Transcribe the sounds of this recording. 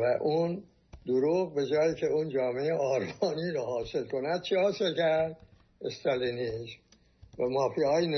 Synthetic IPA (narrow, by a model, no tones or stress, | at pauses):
væʔun | d̪̥oɾuːɣbe̞d͡ʒɒːjiːcʰeuːnd͡ʒɒːme̞eʔɒːɾmɒːniːɾohɒːselkonæd̪̚t͡ʃʰihɒːselcʰæɾd̪̚ | est̪ælinism | væmɒːfiɒːjine